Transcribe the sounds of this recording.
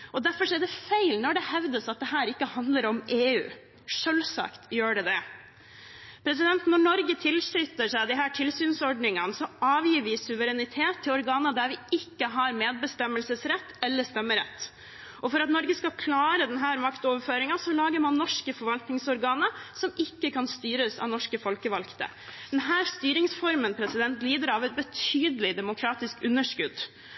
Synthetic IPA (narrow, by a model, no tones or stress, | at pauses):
ʔɔd̪æɾfɔʂɔɛɖɛfæɪlnɔɖɛhɛʋd̪əsɑt̪̚d̪ɛɦæːɾɪkːəhɑnd̪ləɾɔmeːʉ̰ː | ʂøːlsɑ̰kt̪jøːɖɛd̪ɛ | pʰɾɛs̬ɪd̪ɛnt̪nɔɳɔɾɡət̪ʰɪlsʏt̪ːəʂæɪd̪ɪɦæːʈʰɪlsyːnsɔɖɳɪŋənəsɔɑːʋjiːɾʋɪsʉʋəɾɛnɪt̪ʰeːt̪ʰːɪlɔɾɡɑːnəd̪æɾʋɪɪkːəɦɑɾmeːd̪̚bəst̪ɛmːəlsəsɾɛt̪ːɛlːəʂt̪ɛmːəɾɛ̰t̪ː | ɔfɔɾɑt̪nɔɾɡəskɑkʰlɑːɾəd̪ɛnɦæːɾmɑkt̪oːʋəɾføːɾɪŋɑsɔlɑːɡəɾmɑnnɔʂkəfɔɾʋɑlt̪nɪŋsɔɾɡɑːnəsɔmɪkːəkʰɑnst̪yːɾəsɑ̰ʋnɔʂkəfɔlkəʋɑlkt̪ə̰ | d̪̥ɛnɦæːɾst̪yːɾɪŋsfɔɾmənpʰɾɛsɪd̪ɛnt̪liːd̪əɾɑʋɛt̪̚bət̪ʰyːd̪əlɪd̪ɛmʊkʰɾɑːt̪ɪskʉnːəʂkʉd̪